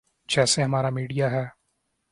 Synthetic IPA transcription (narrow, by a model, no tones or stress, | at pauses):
d͡ʒɛːseɦɐmaːɾamiːɖijaɦɛː